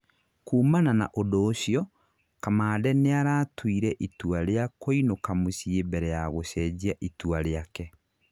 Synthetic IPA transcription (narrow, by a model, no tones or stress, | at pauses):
kuːmanana̰ʔodoːɕiɔ | kamaːdɛneaɾaːtwiɾɛʔituaɾeakoinokamosiebɛɾɛjaɣoɕɛd͡ʑiaʔituaɾeakɛ